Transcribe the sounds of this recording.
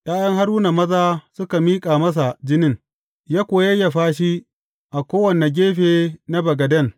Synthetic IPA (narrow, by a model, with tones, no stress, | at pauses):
j̰aː˦jɐ˦ŋɦa˦ɾuː˦na˨mɐ˦zaː˦sʊ˦ka˨miː˦kʼaː˨mɐ˦s̬a˨d͡ʒɪ˦nɪ˦˨ŋ | jaː˦kʷoː˨jɐ˦jːa˨ɸaː˦ʃ̬i˦ | ʔa˨kʷoː˦wɐ˨ne˨ɡʲeː˦ɸeː˨na˦bɐ˨ɡɐ˨dɐ˦˨ŋ